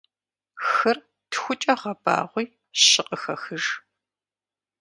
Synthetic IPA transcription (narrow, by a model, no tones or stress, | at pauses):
xɨr | txʷʊt͡ʃʼɐʁɐb̥a̰ːʁʷʊj | ɕɪqʼəxɐxɨʒ